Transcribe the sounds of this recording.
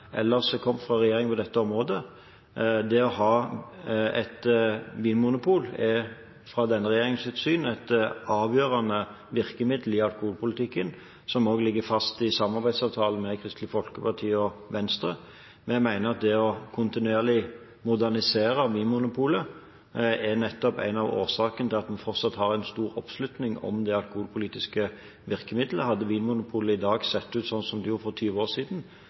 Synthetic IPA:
ʔɛ̰lːəsd̪ɛkʰɔmːfɾɑɾɛjeːɾɪŋpɔd̪ɛt̪ːəɔmʁoːd̪ə | d̪ɛɔɦɑː | ɛt̪ʋiːnmʊnʊpʰuːlɛ | fʁɑd̪ɛnːəʁɛjeːɾɪŋsʉːt̪syːnæt̪ɑːʋjøːʁɑnə | ʋɪʁkəmɪd̪l̩ɪɑlkʊhuːlpʊlɪt̪ɪkːən | sɔmoːɡlɪɡːəfɑst̪ɪsɑmɑʁbæɪsɑːʋt̪ʰɑːləmɛkʰʁɪst̪lɪfɔlkəpɑʈ̪ʰiːɔʋɛnst̪ʁə | mɛmæɪnəɾɑt̪̚d̪ɛɔkʰʊnt̪ɪnʉeːʁlɪ | mʊd̪æʁnɪseːɾəʋiːnmʊnʊpʰuːlə | ɛnɛt̪ːɔpæ̰ɪnɑʋoːsɑːkənət̪ʰɪlɑt̪mɛfɔʁt̪sɑt̪hɑʁæɪnst̪uːɾɔpslʉt̪nɪŋɔ̰md̪ɛɑlkʊhuːlpʰʊliːt̪ɪskə | ʋɪʁkəmɪd̪ləɦɑd̪ːəʋiːnmʊnʊpʰuːləɪd̪ɑːɡsɛt̪ːʉːt̪sɔnːsɔmd̪ɪjuːɾfɔʁt̪ʰyːʋəoːʁsiːd̪n̩

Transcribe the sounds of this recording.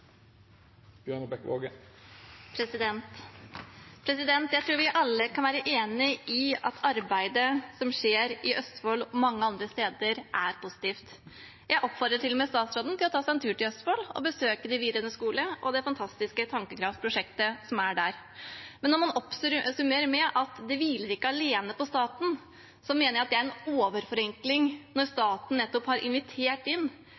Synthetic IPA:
bnəbɛkʋo̰ɡə | pʰɾɛsɪd̪ɛnt̪ | pʰɾɛsɪd̪ɛnt̪jæɪt̪ʰɾuːɾʋɪʔɑlːəkʰɑnʋæːɾəʔeːnɪʔɪɑt̪ʰɑɾbæɪd̪əsɔmʂeːɾɪʔœst̪foːlɔmɑŋːəɑnd̪ɾəst̪eːd̪əɾʔæɾpʰʊsɪ̥t̪iːft̪ | jæɪʔɔpːfɔɾd̪ɾəʈʰɪlːɔmeːst̪ɑːt̪sɾoːd̪n̩t̪ɪlɔt̪ʰɑːsæɪɛnt̪ʰʉːʈɪlœst̪foːlɔ̰bəsøːkəd̪ɪʋiːd̪ɾənəskuːləʔɔd̪ɛfɑnt̪ʰɑst̪ɪskət̪ʰɑŋkəkʰɾɑfpʰɾʊʂɛkt̪əsɔmæɖæɾ | mɛnːɔɾmɑnɔpssʉmeːɾmɛʔɑt̪d̪ɛʋiːləɾɪkːəɑleːnəpɔst̪ɑːt̪n̩ | sɔmeːnəɾjæɑt̪̚d̪ɛæɾɛnoːʋəɾfɔɾɛŋklɪŋnɔɾst̪ɑːt̪n̩nɛt̪ːɔphɑɾʔɪ̰nʋɪt̪ʰeːʈɪnː

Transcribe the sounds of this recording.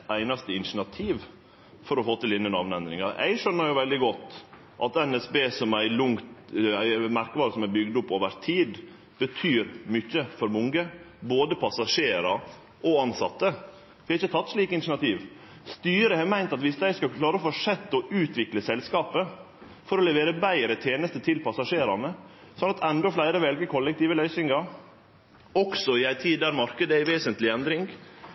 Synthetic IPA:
æɪnɑst̪əɪnʂnɑt̪ʰiːʋ | fɔɾɔfoːt̪ɪlɪnːənɑʋnɛnd̪ɾɪŋɑɛ̰ɪɡʂœnːəɾjʊʋɛld̪ɪɡɔt̪ː | ʔɑt̪ɛnɛsbeːsɔmæɪlʊŋt̪æɪmæɾkʋɑːɾəsɔmæbʏɡd̪ʊpːoːʋəɾt̪ʰiːd̪ | b̥ət̪ʰyːɾmʏçːəfɔɾmʊŋɡəboːd̪əpʰɑsɑʂeːɾɑ | ʔɔɑnsɑt̪ːə | ʋɪɑɾɪçːət̪ʰɑt̪ːʂɭiːkəɪnɪʂnɑt̪ʰiːʋ | st̪yːɾəhɛmæɪnt̪ɑt̪ʋɪsd̪æɪskɑkʰlɑːɾəofɔʂɛt̪ːɔʉːt̪ʰʋɪkləsɛlskɑːpə | fɔɾɔlɛʋeːɾəbæɪɾət̪ʰeːnəst̪ət̪ʰɪlpʰɑsɑʂeːɾɑ̰nə | sɔnɑt̪ʰɛnd̪ɔflæɪɾəʋɛlɡəkʰɔlːəkt̪iːʋəlœʏsɪŋɑ | ɔksɔɪæɪt̪ʰiːd̪æɾmɑɾkəd̪əæɪʋeːsənt̪lɪɛnd̪ɾɪŋɡ

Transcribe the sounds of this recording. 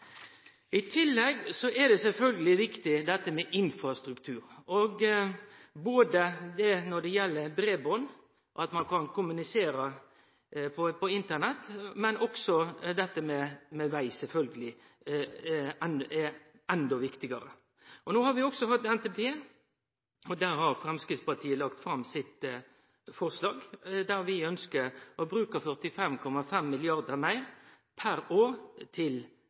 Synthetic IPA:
ɪt̪ʰɪlːɛɡsɔʔɛd̪ɛsɛlfœlɡəlɪʋɪkt̪ɪd̪ɛt̪ːəmɛʔɪnfɾɑst̪ɾʉkt̪ʰʉːɾɔɡ | boːd̪əd̪ɛnɔd̪ɛjɛlːəɾb̪ɾeːbɔn | ʔɑt̪mɑnkʰɑnkʰʊmʉnɪseːɾə | pʰɔpɔɪnt̪ənɛt̪ːmɛnʔɔksɔd̪ɛt̪ːəmɛmɛʋæɪsɛlfœlɡəlɪ | ɛnɛ | ɛnd̪ɔʋɪkt̪ɪɡəɾə | ʔɔnoːhɑɾʋɪɔɡsɔhɑt̪ːɛnt̪ɛpʰeː | ɔd̪æɾhɑɾfɾɛmskɾɪt̪spɑʈ̪ʰiːəlɑkt̪fɾɑmːsɪt̪ | fɔʁslɑːɡd̪æɾʋɪœnskəɔbɾʉːkəfœʁt̪ɪfɛmkʰɔmɑfɛmːɪlɪɑʁd̪əɾmæɪɾ | pʰæɾoːɾt̪ʰɪl

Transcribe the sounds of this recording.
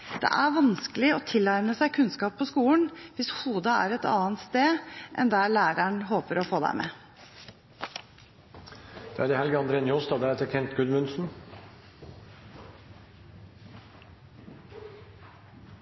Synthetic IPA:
d̪̥ɛ̰ʔæɾʋɑnskəlɪɔt̪ʰɪlːɑɾməsæɪkʰʉnskɑːpʰːɔskuːlən̩ʋɪshuːd̪ɑæ̰ɾɛt̪ɑ̰ːənt̪st̪eːʔɛ̰nd̪æɭæːɾəɳɦoːpəɾɔfoːd̪æ̰ɪmʔɛ̰ː | d̪̥ɛæɖ̪ɛhɛlɡɑnd̪ɾɛnjɔːst̪ɑd̪ɛɛt̪əkʰɛnt̪ɡʉd̪mʉnsn̩

